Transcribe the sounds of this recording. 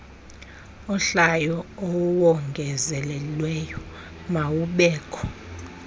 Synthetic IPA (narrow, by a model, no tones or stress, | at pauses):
ɔɬajɔɔwɔŋɡʱɛzɛlɛlwɛjɔ | mawuɓɛːkʰʼɔ